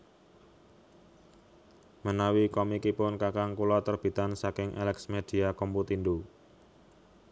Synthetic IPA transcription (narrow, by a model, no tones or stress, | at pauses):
mənawikɔmikipʊnkakaŋkulɔt̪ərb̥i̤t̪ansakɪŋʔɛ̰lɛksmed̪̥i̤akɔmput̪indu